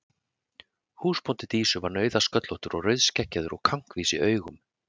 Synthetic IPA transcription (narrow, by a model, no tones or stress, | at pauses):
huːspɔnt̪ɪt̪iːsʏvaɾnœːɥðaskœt̪lɔht̪ʏɾɔɣrœɥðscɛhcːaðʏɾɔɣkʰaŋ̥kviːsɪʔœːɥɣʏm